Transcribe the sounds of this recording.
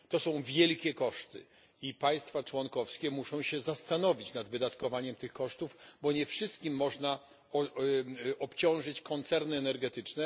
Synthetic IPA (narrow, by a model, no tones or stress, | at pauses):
t̪ɔsɔ̃w̃vʲjɛlkʲɛkɔʂt̪ɘ̰ | ipaj̃st̪fat͡ʂwɔŋkɔfskʲɛmuʂɔ̃w̃ɕɛzast̪anɔvʲit͡ɕnad̪vɘd̪at̪kɔvaɲɛmt̪ɘxkɔʂt̪uvbɔɲɛfʂɘst̪̚kʲimːɔʐna | ɔ | ɔpt͡ɕɔ̃w̃ʐɘt͡ɕkɔnt̪sɛɾnɘɛnɛɾɡɛt̪ɘt͡ʂnɛ